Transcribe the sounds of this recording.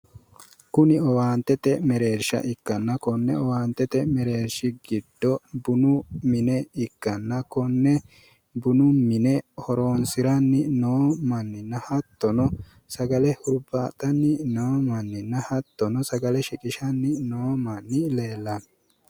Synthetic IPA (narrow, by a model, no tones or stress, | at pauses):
kʊnɪɔwaːnt̪ːɛt̪ɛmɛɾe̞ːɾʃɐ̰ʔɪkːɐnːɐkɔnːɛɔwaːnt̪ːɛt̪ɛmɛɾe̞ːɾʃɪɡɪd̪ːɔbʊnʊmɪnɛɪkːɐnːɐkɔnːɛ | bʊnʊmɪnɛhɔɾoːnsɪɾɐnːɪnoːmɐnːɪnːɐhɐt̪ːɔnɔ | sɐɡɐlɛhʊɾbaːt̪ʼːɐnːɪnoːmɐnːɪnːɐhɐt̪ːɔnɔsɐɡɐlɛʃɪkʼɪʃɐnːɪnoːmɐnːɪleːlːɐn